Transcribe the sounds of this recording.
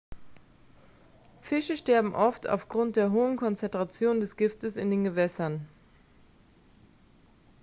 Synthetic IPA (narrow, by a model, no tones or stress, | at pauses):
fɪʃəʃtɛɐbm̩ʔɔftʰa̰ʊfɡ̥ʁʊnt̚d̥eːɐɦoːənkʰɔnt͡sɛntʁ̥at͡sjoːndɛsɡ̥ɪftəsɪndeːnɡəvɛsɐn